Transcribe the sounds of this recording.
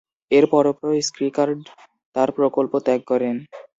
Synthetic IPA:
eɾpɔɾopɾoskɾikaɾɖ | t̪aɾpɾokolpot̪ɛk̚kɔɾen

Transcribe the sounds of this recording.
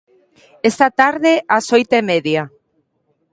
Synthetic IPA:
est̪at̪aɾðeasojt̪emeðja

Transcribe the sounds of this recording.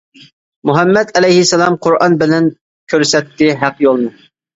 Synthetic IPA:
muɦɛmːɛt̪ɛlɛjhɪsɛlˠɑmqʰoɾɑnbɪlɛn | kʲʰøɾsɛt̪ːɪɦæqjolˠmu

